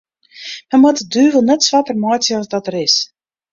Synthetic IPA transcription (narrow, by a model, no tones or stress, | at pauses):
mɛnmɔtədyːvəlˠnɛtsʋatərmɔjtjəɔzdɔtərɪs